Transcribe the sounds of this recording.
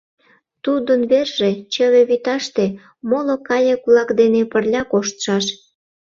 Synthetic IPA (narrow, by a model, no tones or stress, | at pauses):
t̪ud̪ənβerʒet͡ɕəβeβyt̪ɑʃt̪e | molokɑjekulɑkd̪enepərlʲɑkoʃt̪ʃɑʃ